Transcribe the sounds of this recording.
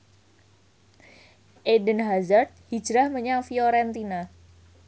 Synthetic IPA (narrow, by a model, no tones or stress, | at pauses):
ʔedənɦazərt̪̚hid͡ʒɾahməɲaŋfioɾɛnt̪ina